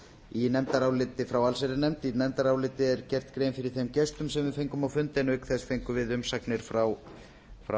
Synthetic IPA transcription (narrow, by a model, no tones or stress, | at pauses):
inɛmt̪aɾaːwlɪt̪ɪfɾawalsɛɾɪnɛmt̪inɛmt̪aɾaːwlɪt̪ɪɛɾcɛr̥t̪kɾeːjnfɪɾɪɾθemcɛst̪ʏmsɛmvɪðfejŋkʏmawfʏnt̪ejnʏkθɛst̪fejŋkʏvɪðʏmsaknɪɾ̥fɾaw | fɾa